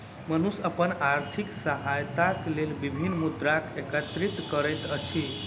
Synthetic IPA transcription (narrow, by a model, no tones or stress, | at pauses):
mənusəpənaɾt̪ʰiksəɦajt̪aklelbibʱinːmud̪ɾakekət̪ɾit̪kəɾɛjt̪ət͡ʃʰi